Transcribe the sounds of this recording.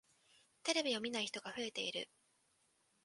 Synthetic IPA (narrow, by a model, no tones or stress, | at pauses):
t̪e̞ɾe̞bʲio̞mʲinaiçi̥t̪o̞ɡaɸɯ̟e̞t̪e̞iɾɯ̟̰